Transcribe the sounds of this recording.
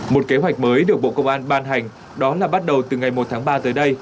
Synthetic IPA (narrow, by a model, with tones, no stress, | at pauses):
mo˨˩t̚ke˨˦ɦwa˨˩jk̚məː˨˦jɗɨ˨˩ək̚ɓo̰˧˨kə˧wŋ͡mʔaː˧nɓaː˧nɦa˨˩jŋ̟ | ɗɔ˨˦laː˨˩ɓa˦˥t̚ɗə˨˩wt̪ɨ˨˩ŋa˨˩jmo˨˩t̚t̪ʰaː˨˦ŋɓaː˧t̪əː˨˦jɗə˧j